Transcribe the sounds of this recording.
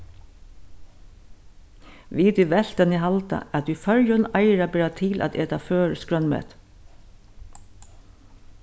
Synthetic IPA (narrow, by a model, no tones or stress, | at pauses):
ʋiːt̪ʏʋɛl̥t̪ɛniɦalt̪a̰æt̪ʏfœɾjʊnaɪɹabɛːɹat̪ʰɪlʔæ̰t̪eːt̪aføːɹskɹœnmɛ̰ːt̪